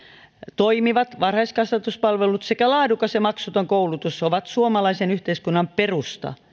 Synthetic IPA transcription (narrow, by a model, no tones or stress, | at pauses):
t̪oimiʋɑt̪ʋɑrhɑiskɑsʋɑt̪uspɑlʋelut̪sekælɑːdukɑsemɑksut̪oŋkoulut̪usoʋɑt̪suomɑlɑisenyht̪eiskunːɑmperust̪ɑ̰